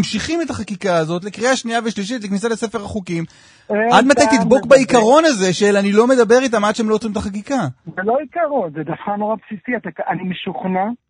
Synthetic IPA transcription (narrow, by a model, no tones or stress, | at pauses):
mʃiχimet̪aχakikaːzo̞t̪̬lekʁiaʃniaveʃliʃ̬itleknisalese̞feʁaχukim | eʔad̪mat̪ajt̪id̪bo̞kbaikaʁo̞naze̞ʃelanilo̞me̞d̪abe̞ʁit̪̬amadʃeemloot͡sʁimtaχak̬ikazeloikaʁonzed̪afkanoʁapsisiat̪akanimeʃuχna